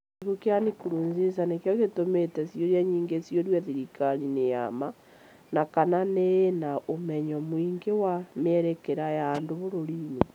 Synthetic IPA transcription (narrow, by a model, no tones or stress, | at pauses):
kukeanikuɾuːnzes̬anekjɔɣetometɛsjoɾjaɲiːŋɡesjoɾwaðiɾikaɾineja̰ma | nakananeːnaomɛɲɔmwiŋɡewameɛɾɛkeɾajaːndoβoɾoɾine